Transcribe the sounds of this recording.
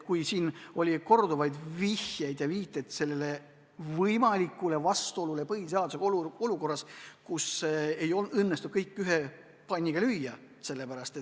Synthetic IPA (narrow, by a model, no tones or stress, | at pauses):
kujsiːno̞lʲiko̞rd̪uvɑjd̪vihjejd̪̥jɑviːt̪ːˑet̪se̞lːele̞ | vɤjmɑlikˑːule̞vɑst̪uo̞lulepɤɦis̬eɑd̪useloluko̞rːɑskuseejonɤnːest̪ud̪̥̚kɤjkːˑyɦe | pɑnʲːiɡ̥ɑlyjːɑ | se̞lːe̞pæɾɑst̪e